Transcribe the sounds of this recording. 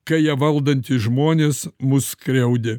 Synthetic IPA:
kɐjiɛʋɐlˠd̪ɐnʲt̪ʲɪʒmoːnʲeːsmʊskɾʲɛʊd̪ʲɪ

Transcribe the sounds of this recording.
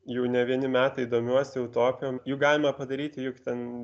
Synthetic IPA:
jɛʊnʲɛʋʲiɛnʲɪmʲæːt̪ɐid̪oːmʲuɔsʲɪjɛʊt̪oːpʲɪjoːmjuːɡɑːlʲɪmɐpɐd̪ɐɾʲiːt̪ʲɪjʊkt̪ʲɛn

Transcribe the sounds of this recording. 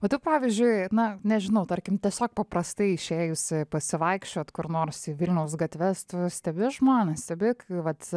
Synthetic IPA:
oːt̪ʲɪppɑːʋʲɪzʲd͡ʒʲʊɪnɐnʲɛʒʲɪnɐʊt̪ɐɾʲkʲɪmt̪ʲiɛsʲoːk̚pɐpɾɐst̪ɐɪɪʃʲeːjʊsʲɪpɐsʲɪʋɐɪkʃʲt͡ʃʲoːt̪kʊɾnoːrsiʋʲɪlʲnʲɛʊsɡɐt̪ʲʋʲɛst̪ʊsʲt̪ʲɛbʲɪʒmoːnʲɛsʲt̪ʲɛbʲɪkʋɐt̪

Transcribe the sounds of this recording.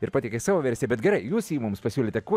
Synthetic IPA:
ɪɾpɑːtʲɛkʲesɑːʋoːʋʲɛɾʲsʲeːbʲɛt̪ɡʲɛɾɐɪjuːsjiːmʊmspɐsʲuːlʲɪːt̪ʲɛku

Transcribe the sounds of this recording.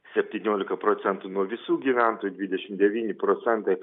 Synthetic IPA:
sʲɛpʲt̪ʲiːnʲoːlʲɪkɐpɾoːt̪sʲɛnt̪uːnuɔʋʲɪsuːɡʲiːʋʲæˑnt̪oːjud̪ʲʋʲɪd̪ʲɛʃʲɪmd̪ʲɛʋʲiːnʲɪpɾoːt̪sʲɛnt̪ɐɪ

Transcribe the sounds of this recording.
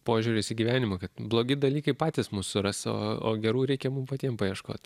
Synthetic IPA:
poːʒʲʊːɾʲʊsʲiːɡʲiːʋʲæːnʲɪmɐkɐt̪blˠoːɡʲɪd̪ɐlʲiːkɐɪpɑːt̪ʲɪsmussʊɾɐso̰ːo̰ːɡʲɛɾuːɾʲɛɪkʲɛmʊmpɐt̪ʲiɛmpɐjiɛʃko̰ːt̪

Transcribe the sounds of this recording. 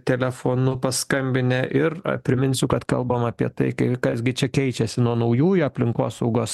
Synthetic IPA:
t̪ʲɛlʲɛfoːnʊpɐskɐmʲbʲɪnʲɛʔɪr̰pʲɾʲɪmʲɪnʲsʲʊkɐt̪kɐ̰lˠbɐmɑːpʲiɛt̪ɐɪkɐɪkɐsɡʲɪt͡ʃʲɛkʲɛɪt͡ʃʲɛsʲɪnuɔnɐʊjuːjɐpʲlʲɪŋkoːsɐʊɡoːs

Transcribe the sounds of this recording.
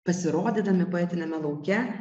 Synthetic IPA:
pɐsʲɪɾoːd̪ʲiːd̪ɐmʲɪpoɛt̪ʲɪnʲɛmʲɛlˠɐʊkʲɛ

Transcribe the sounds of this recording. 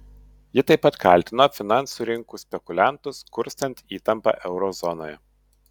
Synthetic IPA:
jɪt̪ɐɪpːɐt̪kɑˑlʲˑt̪ʲɪnoːfʲɪnɑˑnsuːɾʲɪŋkusʲpʲɛkʊlʲænt̪ʊskʊɾʲst̪ɐnʲt̪ʲiːt̪ɐmpɑ̰ʔɛʊɾɔzɔno̰ːjɛ

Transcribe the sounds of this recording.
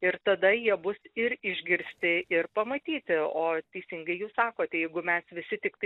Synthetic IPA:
ɪɾt̪ɐd̪ɐjiɛbʊsɪɾɪʒʲɡʲɪɾʲsʲt̪ʲɪʔɪrpɐmɐt̪ʲiːt̪ʲɪoːt̪ʲɛɪsʲɪŋɡɐɪjuːssɑːkoːt̪ʲɛjɛɪɡʊmʲɛsʋʲɪsʲɪt̪ʲɪkt̪ɐɪ

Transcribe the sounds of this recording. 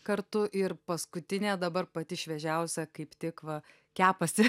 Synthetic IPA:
kɐɾt̪ʊʔɪrpɐskʊt̪ʲɪnʲeːd̪ɐbɐrpɐt̪ʲɪʃʲʋʲɛʒʲɛʊsʲɛkɐɪpt̪ʲɪkʋɐ | kʲæːpɐsʲ

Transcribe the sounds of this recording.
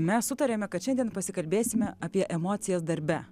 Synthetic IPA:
mʲɛssʊt̪ɐɾʲeːmʲɛkɐt̪ʃʲɛnd̪ʲɛnpɐsʲɪkɐlʲbʲeːsʲɪmʲɛɐpʲiɛʔɛmoːt̪sʲɪjɛːs̬d̪ɐɾʲbʲɛ

